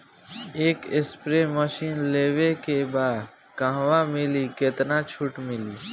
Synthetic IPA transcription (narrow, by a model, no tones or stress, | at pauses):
eːkɪspɾeməʃiːnleːʋekebaːd̪ | kãːʋamɪlikɪt̪nat͡ʃʰʊʈmɪliː